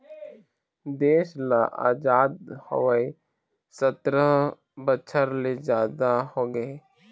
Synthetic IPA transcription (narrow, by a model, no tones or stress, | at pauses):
d̪eːʃlaʔa̰ːd͡ʒaːd̪hə̰ʋəi | sət̪ɾə | bət͡ʃʰəɾled͡ʒaːd̪ahoːɡəe